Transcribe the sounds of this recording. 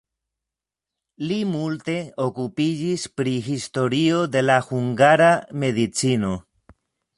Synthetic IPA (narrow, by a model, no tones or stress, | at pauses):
limulte̞o̞kupid͡ʒispɾixist̪o̞ɾio̞d̪e̞laxuŋɡaɾame̞ðit͡sino̞